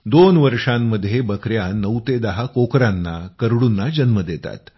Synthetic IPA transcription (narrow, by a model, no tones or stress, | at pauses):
d̪onʋəɾʂamːəd̪ʱːjebəkɾjanəwt̪ed̪əɦakokɾanːakəɾɽuːnːad͡ʑənməd̪et̪a̰t̪